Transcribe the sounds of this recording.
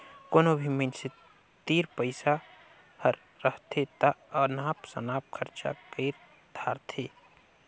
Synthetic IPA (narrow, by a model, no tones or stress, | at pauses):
koːnobʱimənse | t̪iːɾpəɪsa | həɾːəɦt̪ʰet̪aənaːpsə̰naːp̚kʰəɾt͡ʃa̰kəɾ | d̪̥ʱaːɾt̪ʰe